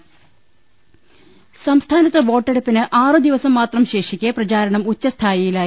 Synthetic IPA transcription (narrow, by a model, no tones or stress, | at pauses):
sɐmst̪ʰaːnɐt̪ːeʋo̞ːʈːeɽɐpːinɨʔaːrɨd̪iʋɐsɐmːaːt̪rɐmɕe̞ːʂikʲːeprɐt͡ɕaːɾɐɳɐmut͡ɕːɐst̪ʰaːjijilaːji